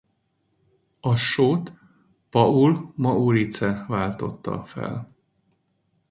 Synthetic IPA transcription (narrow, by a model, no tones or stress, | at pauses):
ɒʃoːt̪ | pɒulmɒʔuɾit̪sɛvaːlt̪o̞̰t̪ːɒ̰fɛ̰l